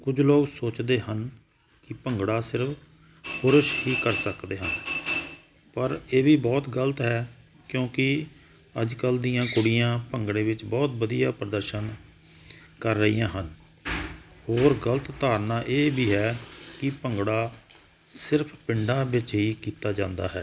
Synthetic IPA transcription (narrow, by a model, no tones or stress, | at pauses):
kʊd͡ʒloːɡsoːt͡ʃd̪eːhən | kɪpəŋɡɽaːsɪɾpʰ | pʊɾəʃɦiːkəɾsəkd̪eːɦən | pəɾeːbiːbɔːt̪ɡələt̪ɦɛː | kjõːkɪ | əd͡ʒkəld̪iːãːkʊɽɪjãːpəŋɡɽeːʋɪt͡ʃbɔːt̪bəd̪ijaːpɾəd̪əɾʃən | kəɾːəijãːɦən | hoːɾɡələt̪t̪aːɾnaːʔeːbiːɦɛːkɪpəŋɡɽaː | sɪɾpʰpɪɳɖãːbɪt͡ʃɦiːkiːt̪aːd͡ʒãːnd̪a̰ːɦɛː